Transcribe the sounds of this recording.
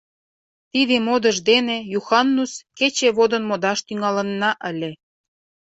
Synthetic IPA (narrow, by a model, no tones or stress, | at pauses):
t̪id̪emod̪əʒd̪enejuxɑnːusket͡ɕeβod̪ə̆nmod̪ɑʃt̪yŋɑlə̆nːɑʔəlʲe